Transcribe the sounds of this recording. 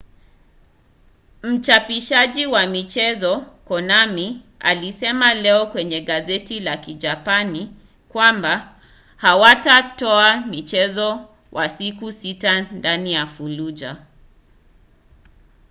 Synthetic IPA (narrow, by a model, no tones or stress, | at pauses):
m̩t͡ʃapiʃaʄiwamit͡ʃɛzɔkɔnamia̰lisɛmalɛɔkwɛɲɛɠazɛtilakiʄapani | kwamba | hawatatɔamit͡ʃɛzɔ | wʔasikusitandanijafulud͡ʒa̰